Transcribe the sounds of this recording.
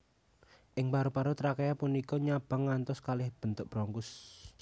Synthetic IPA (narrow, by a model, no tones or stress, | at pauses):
ʔɪŋpaɾupaɾot̪ɾakajapunikɔɲab̥a̤ŋːant̪ɔskalɪhb̥ə̤nt̪ʊk̚b̥ɾɔŋkʊs